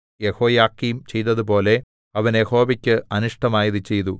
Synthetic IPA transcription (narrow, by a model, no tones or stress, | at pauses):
jeho̞ːjaːkːiːmt͡ɕe̞jt̪ɐðupo̞ːle̞ | ɐʋɐnjeho̞ːʋɐkʲːɨɐnuʂʈɐmaːjiðɨt͡ɕe̞jt̪u